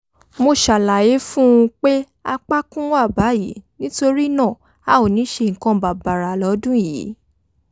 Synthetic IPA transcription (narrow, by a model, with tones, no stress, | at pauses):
mo˧ʃa˨la˨je˨˦fũ˦ũ˧k͡pe˦ | a˧k͡pa˦kũ˦wa˦˨ba˨˦jḭ˨˦nĩ˦to˧ɾi˦nã˦˨ | a˦o˨nĩ˨˦ʃe˧ŋ̩˨kã˧ba˨ba˨ɾa˨lɔ˨˦dũ˦ji˨˦